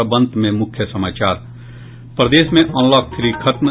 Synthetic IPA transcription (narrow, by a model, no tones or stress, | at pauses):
əbə̃nd̪mẽmʊkʰjəsɐmaːt͡ʃaːɾ | pɾəd̪eːsmẽʔɔ̃ːnlɔːk̚t̪ʰɾikʰəʈ̪n